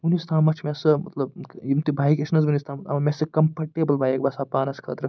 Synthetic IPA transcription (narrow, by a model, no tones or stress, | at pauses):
unist̪ʰaːmɐt͡ʃʰmʲesɨmɐ̰t̪lɐbimt̪ibʱaːikʲɐʃnɐzbunʲist̪ʰaːmɐa̰mɐmʲesɨkɐmpɐɾʈeːbɐlbaːjek̚bɐsaːpaːnɐskʰɐ̰t̪ɾɐ